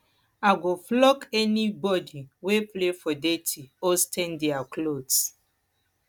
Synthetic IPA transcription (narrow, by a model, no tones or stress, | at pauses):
aɡoflɔkɛnibɔdiweplefɔdetʰiostɛ̃ndiaklods